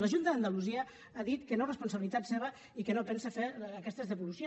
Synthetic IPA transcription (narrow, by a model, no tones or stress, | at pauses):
ləʒunt̪əðənd̪əluziə | aðit̪kənorəspuns̬əβilit̪at̪seβ̞ə | ikənopɛnsəfeːkɛst̪əzðəβulusjo